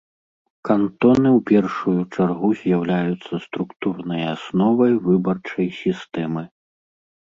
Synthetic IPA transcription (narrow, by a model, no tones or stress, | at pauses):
kant̪ɔnɨwpʲɛrʂujut͡ʂarɣuzʲjawlʲajut̪sːɐst̪ɾukt̪urnɐjasnɔvɐjvɨbɐrt͡ʂɐjsʲist̪ɛmɨ